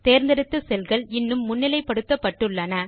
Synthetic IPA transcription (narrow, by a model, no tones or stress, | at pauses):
t̪eːɾnd̪ɐɾɪt̪ːɯsɛlɣɐɭɪnːɯmːʊnːɪlɐɪpːɐɽɯt̪ːɐpːɐʈːɯɭːɐnɐ